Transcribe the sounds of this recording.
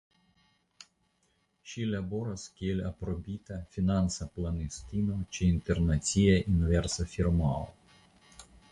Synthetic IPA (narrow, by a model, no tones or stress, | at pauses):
ʃʲiːlʲɐbɔɾɐskʲeːlʲɐpɾɔbʲiːt̪ɐfʲinɑnsɐplˠɐnʲesʲt̪ʲinot͡ʃʲɛɪnt̪ʲɛɾnɐt̪sʲijɛʔinʲʋʲɛɾsɐfʲiɾmɑːlo̰